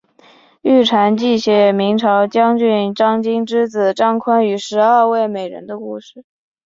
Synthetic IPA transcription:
y˥˩ʈ͡ʂʰa˧˥nt͡ɕi˥˩ɕjɛ˧˥mi˧˥ŋʈ͡ʂʰɑ˧˥ʊt͡ɕjɑ˥ŋt͡ɕy˥˩nʈ͡ʂɑ˥ŋt͡ɕi˥ŋʈ͡ʂɻ̩˥t͡sɹ̩˨˩ʈ͡ʂɑ˥ŋkʰwa˥ny˧˥ʂɻ̩˧˥a˞˥˧we˥˩ɪme˨˩ɪɻə̰˧˥nd̪ə˧kṵ˥˧ʂɻ̩˥˩

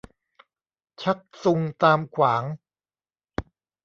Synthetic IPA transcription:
t͡ɕʰa˦˥k̚su˧ŋt̪aː˧mkʰwaː˩˦ŋ

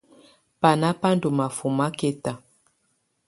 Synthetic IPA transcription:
pa˨na˦pa˦n˦do˨ma˨fu˨ma˦ke˦ta˨

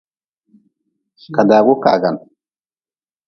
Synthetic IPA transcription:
ka˨daː˨ɡo˦ka̰˨a˨ɡa˨n

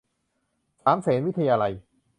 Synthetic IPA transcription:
saː˩˦msɛː˩˦nwi˦˥t̪ʰa˧jaː˧la˧j

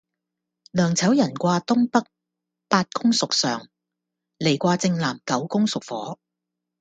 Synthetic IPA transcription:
lœː˨˩ŋt͡sʰɐ˨˥wjɐ˨˩nkʷaː˧t̪ʊ˥ŋpɐ˥k̚ | paː˧t̚kʊ˥ŋsʊ˨k̚sœː˨˩ŋ | le˨˩jkʷaː˧t͡sɪ˧ŋlaː˨˩mkɐ˨˥wkʊ˥ŋsʊ˨k̚fɔː˨˥

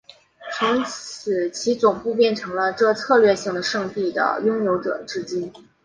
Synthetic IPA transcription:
t͡sʰʊ˧˥ŋ̩˨˩ | t͡ɕʰi˧˥t͡sʊ˨˩ŋpu˥˧pjɛ˥˩nʈ͡ʂʰɤ˧˥ŋlə˧ʈ͡ʂɤ˥˧t͡sʰɤ˥˧lɥɛ˥˧ɕi˥˩ŋd̪ə˩ʂɤ˥˧ŋt̪i˥˩d̪ə̰˩jʊ˥ŋjo˧˥ʊʈ͡ʂɤ̰˨˩ʈ͡ʂɻ̩˥t͡ɕi˥n

